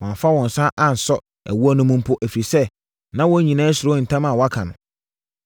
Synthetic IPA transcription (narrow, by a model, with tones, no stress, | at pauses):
wã˨m˨fa˦wɔ̃˨n̩˨sã˦ʔã˨n̩˨sɔ˦ | æ̰˨wu˦ɔ˦nʊ̃˦mũ˦m˦pʰʊ˦ʔæ˨fi˨ɾi˨sɛ˦ | nã˦wɔ˦ɲĩ˨nãː˦sɪ˨ɾʊ˦n̩˨tʰã˦mã˨wɔ˨˦a˦kʰa˨nʊ̰̃˨